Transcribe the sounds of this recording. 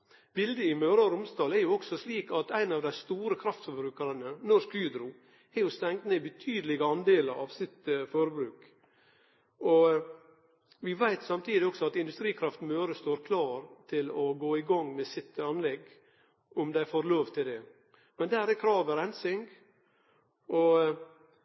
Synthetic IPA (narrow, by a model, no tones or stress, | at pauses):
bɪld̪əɪmøːɾɑɾʊmst̪ɑːlɛɾjʊɔksɔsliːkɑt̪æɪnɑʋd̪æɪst̪uːɾəkʰɾɑft̪fɔɾbɾʉːkəɾənənɔʂkyːd̪ɾʊ | ɛɾjʊst̪ɛŋt̪neːbət̪ʰyːd̪əlɪɡəɑnd̪eːləɾɑ̰ʋsɪt̪foɾəbɾʉːk | ɔ | ʋɪʋæɪt̪sɑmt̪ʰiːd̪ɪɔksɔɑt̪ɪnd̪ʉst̪ɾiːkʰɾɑft̪møːɾəst̪oːɾkʰlɑːɾt̪ʰɪlɔɡoːɪɡɑŋːmɛsɪt̪ːɑnlɛɡ | ʔʊmd̪æɪfoːɾloːʋt̪ʰɪld̪ɛ | mɛnd̪æːɾɛkʰɾɑːʋəɾɛnsɪŋɡ | ʔɔ